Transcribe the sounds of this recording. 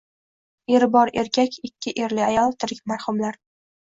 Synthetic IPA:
eɾbɒɾe̞ɾkʲʰakʲʰɪkʲʰːɪʔeɾlɪajɒlˠt̪ʰɪɾɪkʲmaɾhʊmlaɾ

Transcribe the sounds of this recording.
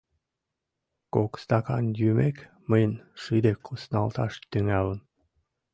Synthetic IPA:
kokst̪ɑkɑnjymek | məjənʃid̪ekʰːusnɑlt̪ɑʃt̪yŋælən

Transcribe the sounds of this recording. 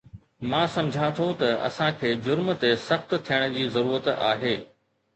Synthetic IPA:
mãːsɐ̃md͡ʑʱãt̪ʰot̪ɐɐ̰sãkʰeːd͡ʑʊɾmt̪esɐxt̪t̪ʰijəɽ̃̆d͡ʑiːzɐɾuːɾət̪a̰ːɦeː

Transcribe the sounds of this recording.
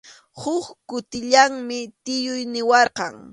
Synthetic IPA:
hʊχkʊt̪ɪʎaŋmɪt̪ɪjʊjnɪwɑɾqɑŋ

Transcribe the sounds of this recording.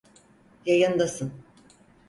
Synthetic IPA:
jajɯnd̪asɯn

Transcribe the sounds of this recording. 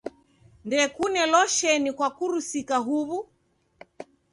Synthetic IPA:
ndɛkunɛlɔʃɛnikwakuɾusikaɦuβu

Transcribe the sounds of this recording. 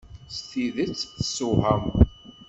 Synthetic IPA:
sθiðət͡sːəsuhæm

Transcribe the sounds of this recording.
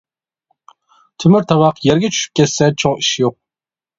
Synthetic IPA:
t̪ʰymyɾt̪ʰɑwɑqjɛɾɡʲɛt͡ʃʰy̥ʃy̥p̚kʲʰɛsːɛt͡ʃʰoŋiʃjoq̚

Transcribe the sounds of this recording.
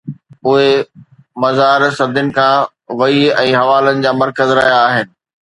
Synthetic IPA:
ʊɦe | mɐzaːɾsɐd̪ʱʊnɪ̆kʰãː | ʋɐiɛ̃ːɦɐʋaːlənɪ̆d͡ʑaːmɐɾkəzɾɐɦjaːɦɪnɪ̆

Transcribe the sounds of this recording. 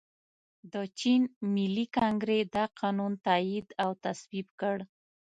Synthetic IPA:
d̪ət͡ʃinmilːikɑŋɡɾed̪aqʰɑnunt̪aid̪awt̪aswibkəɽ

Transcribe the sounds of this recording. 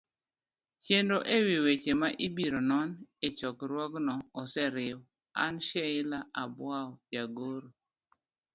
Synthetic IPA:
t͡ʃjendoʔewiwet͡ʃemaʔibiɾonɔnet͡ʃɔkɾwɔɡnɔːsɛɾɪw | a̰nʃɛɪlaʔabwawɔjaɡoɾo

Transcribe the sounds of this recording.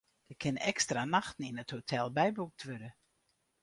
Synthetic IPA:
d̥əkʰɪnɛkstranaxtn̩inəthotʰɛlˠbɛjbuk̚tʰʋøɾə

